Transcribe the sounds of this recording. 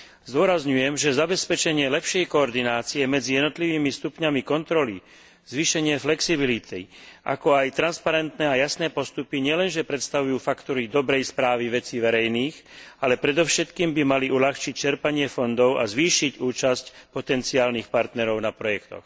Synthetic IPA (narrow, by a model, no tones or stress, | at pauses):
zd̪ʊɔɾazɲujɛmʒɛzabɛspɛt͡ʃɛɲɪɛlɛpʃɪɛjkɔːɾd̪inaːt͡siɛmɛd͡zijɛd̪nɔt̪liʋiːmist̪upɲamikɔnt̪ɾɔli | z̥ʋiːʃɛɲɪɛflɛksibilit̪ḭʔa̰kɔajt̪ɾanspaɾɛnt̪nɛːajasnɛːpɔst̪upiɲɪɛlɛnʒɛpɾɛt̪st̪aʋujuːfakt̪ɔɾid̪ɔbɾɛjspɾaːʋiʋɛt͡siʋɛɾɛjniːɣalɛpɾɛd̪ɔʊʃɛt̪kiːmbimaliʔulaxt͡ʃic̚t͡ʃɛɾpaɲɪɛfɔnd̪ɔʊʔa̰zʋiːʃicuːt͡ʃascpɔt̪ɛnt͡siaːlnixpaɾt̪nɛɾɔʊnapɾɔjɛkt̪ɔ̰x